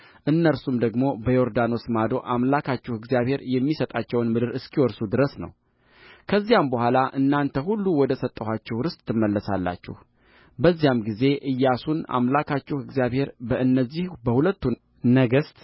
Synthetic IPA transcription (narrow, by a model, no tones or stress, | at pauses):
ʔɨnːəɾsumd̪əɡmo̞bəjoɾd̪ano̞smad̪o̞ʔamlakʰat͡ʃːɛhɨɡzijaβhe̞ɾjɛmːisət̪ʼat͡ʃːɛwnmɨd̪ɨɾɨskʰiwɔɾsud̪ɨɾəsnə̰w | kʰəzːijambəhʷalaʔɨnːant̪ʰəɦulːuwɔd̪əsət̪ʼːəhat͡ʃːɛhɾɨst̪ʰːɨmːəlːəsa̰lːa̰t͡ʃːɛ̰h | bəzːijamɡize̞ʔɨjːasuna̰mlakʰat͡ʃːɛhɨɡzijaβhe̞ɾbəʔɨnːəzːihbəhulət̪ːu | nəɡəst̪